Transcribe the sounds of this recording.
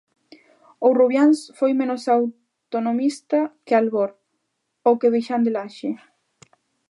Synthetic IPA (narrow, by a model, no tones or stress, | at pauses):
oruβjansfojmẽnosaw | t̪onomist̪akealɣoɾ | okeβejʃand̪elaʃe